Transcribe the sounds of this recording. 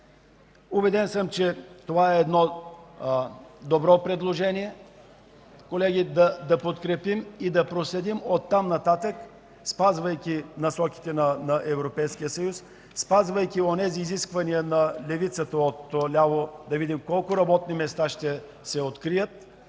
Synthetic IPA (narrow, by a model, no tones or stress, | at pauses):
ubɛd̪ɛnsəmt͡ʃɛt̪ovaɛːd̪nɔ | d̪obɾɔpɾɛd̪lˠoʒɛniɛ | kolɛɡʲid̪ɐd̪ɐpot̪kɾɛpimid̪ɐpɾoslɛd̪imot̪ːamnɐt̪at̪ək | spazvɐjkʲinɐsɔki̥t̪ɛnɐnɐʔɛvɾopɛjskijəsɐjus | spazvəjkʲionɛziːziskvɐnijənɐlɛvit̪sət̪əot̪ːolʲavod̪ɐvid̪imkɔlˠkʊɾɐbɔt̪nimɛst̪aʃt̪ɛ | sɛot̪kɾijət̪